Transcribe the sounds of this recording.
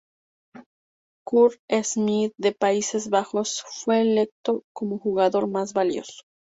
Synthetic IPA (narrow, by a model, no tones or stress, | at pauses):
kuɾezmiðde̞paise̞zβaxo̞sfwe̞ːle̞k̚t̪o̞ko̞mo̞xuɣaðo̞ɾmazβaljo̞̰so̥